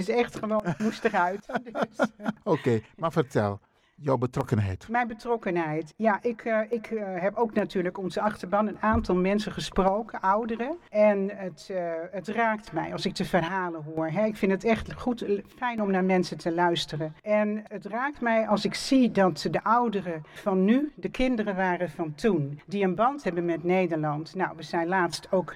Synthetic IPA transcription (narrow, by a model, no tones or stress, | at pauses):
ɪsɛxtχəʋoːnmustərœɥtd | okejmafərtɛ̰lˠ | jawbətrɔkənɦɛ̰jtmɛjnbətrɔkənɦɛjtjaʔɪkɪkɦɛpowknatyːɹləkɔnzəɑxtəɹbɑnənaːntɑlˠmɛnsəχəsprowkəʔɔwdərəɛnətətraːk̚tmɛ̰jɑlˠsɪk̚təvərɦaːlənɦuːɹɦɛɪkfɪndətɛχtχutfɛjnɔmnaːɹmɛnsətʰəlœɥstərənɛnətraːk̚tmɛjɑlˠsɪksidɑtdəʔɔwdərəvɑnːydəkʰɪndərəʋaːrəvɑntundiənbɑntɦɛbənmɛtnejdəɹlɑntnawʋəzɛjnlaːstowk